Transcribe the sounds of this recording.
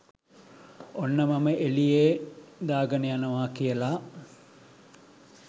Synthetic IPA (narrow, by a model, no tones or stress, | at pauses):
onːəmɐməʔelijeːd̪aːɡənejanɐʋaːkijəlaː